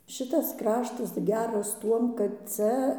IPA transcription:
ˈʃʲɪtɐs ˈkrɑːʃtɐs ˈɡʲæːrɐs ˈtuɔm kɐt ˈt͡sʲɛ

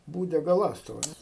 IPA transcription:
ˈbuːdʲɛ ɡɐˈlˠɑːstʊʋɐs

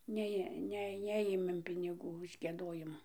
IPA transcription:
ˈnʲæːjeː ˈnʲɛ ˈnʲæːjeːmʲeːm pʲɪnʲɪˈɡuː ʊʃ ɡʲiɛˈdoːjɪmʊ

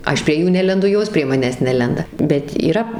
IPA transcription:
ˈɐʃ pʲrʲiɛ ˈjuː ˈnʲæːlʲɛndʊ ˈjoːs pʲrʲiɛ ˈmɑːnʲæːs ˈnʲæːlʲɛndɐ bʲɛt iːˈrɐ

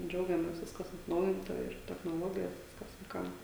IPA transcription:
ˈd͡ʒʲɛʊɡʲɛmʲeːs ˈʋʲɪskɐs ɐtˈnɐʊjɪntɐ ɪr tʲɛxnoːˈlˠoːɡʲɪjoːs ˈʋʲɪskɐs ʋɐɪˈkɐm

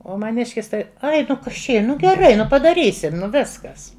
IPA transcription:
ˈoː mɐˈnʲɪʃʲkʲɪs ˈtɐɪ ˈɐɪ nʊ ˈkɐs t͡ʃʲɛ ˈiː ˈnʊ ɡʲɛˈrɐɪ ˈnʊ pɐdɐˈrʲiːsʲɪm ˈnʊ ˈʋʲɪskɐs

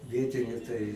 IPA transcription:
ˈʋʲiɛtʲɪnʲʊ tɐɪ

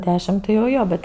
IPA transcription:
ˈdʲæːʃʲɪm tɐɪ jɛʊ ˈjoː bʲɛt

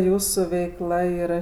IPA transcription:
ˈjuːsuː ʋʲɛɪkˈlˠɐ iːˈrɐ

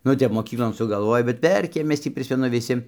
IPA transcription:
ˈnʊ ˈtʲɛp moːˈkʲiːklˠoːn sʊɡɐlˠˈʋoːj bʲɛt ˈʋʲɛrʲkʲeːm ˈmʲɛs tʲiː ˈpʲrʲɪsʲmʲɛnʊ ʋʲɪˈsʲɪ

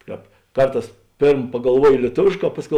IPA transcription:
ˈkɑːp ˈkɐrˌtɑːs ˈpʲeːrm pɐɡɐlˠˈʋuɔjoː lʲiɛˈtoːʋʲeːʃˌkɑː ˈpɑːsʲˌkʲɛʊ

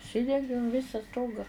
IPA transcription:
ʊʃʲˈsʲɪdʲɛŋʲɡʲeːm ˈʋʲɪsɐ ˈstoːɡɐ

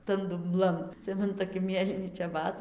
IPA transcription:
tɐn dʊmˈblˠɐn ɐˈtʲsʲɪmʲɛnʊ toːˈkʲɪ ˈmʲeːlʲiːnʲɪ t͡ʃʲɛˈbɐt

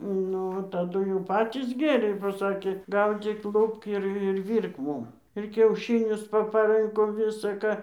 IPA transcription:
ˈnʊ tɐˈdʊ jɛʊ ˈpɑːtʲiːs ˈɡʲeːrʲeː boː ˈsɑːkʲeː ˈɡɐʊd͡zʲiːk ˈlˠʊpk ɪr ɪr ˈʋʲiːrk ˈmuːm ɪr kʲɛʊˈʃʲɪnʲʊs pɐpɐˈrɨŋkoː ʋʲɪsɐ ˈkɑː

